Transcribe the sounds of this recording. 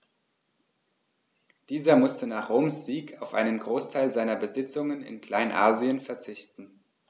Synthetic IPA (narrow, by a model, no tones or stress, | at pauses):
d̥iːzɐmʊstənaːχʁoːmsz̥iːkʰaʊfʔa̰ɪnənɡʁoːstʰaɪlzaɪnɐbəzɪt͡sʊŋənɪ̰nkl̥aɪnʔa̰ːziənfɛɐt͡sɪçtn̩